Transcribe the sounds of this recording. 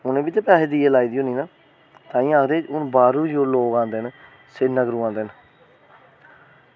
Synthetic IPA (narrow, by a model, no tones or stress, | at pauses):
ʊnẽːbiːt̪̬eːpɛːsed̪iːelaːiːd̪iːɦoːniːnaː | t̪ãːĩːaːkʰd̪eːʊnbaːɾũːd͡ʒoːloːɡãːnd̪eːn | seːnəɡɾũːãːnd̪eːn